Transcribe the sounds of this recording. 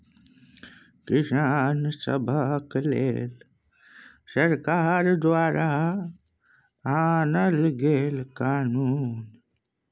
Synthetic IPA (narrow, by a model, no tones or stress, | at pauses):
kɪʃaːnsɐ̰bʱaklḛːl | sɐɾkaːɾd̪waːɾa | aːnɐlɡeːlkaːnuːn